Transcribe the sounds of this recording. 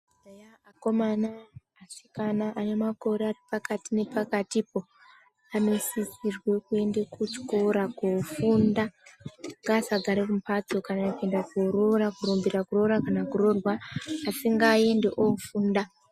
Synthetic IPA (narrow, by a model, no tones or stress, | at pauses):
ejaakomanaː | si̥kanaʔane̞mako̞ɾearipakatine̞pakatipo̞ | ano̞sisirwe̞kue̞ndekut͡ʃkoɾakufunda | ŋɡasaɡʱaɾekumpatokanakue̞ndakurorakurumbiɾakuro̞ɾakanakuro̞rwaːsiŋɡae̞nde̞ʔofuːnda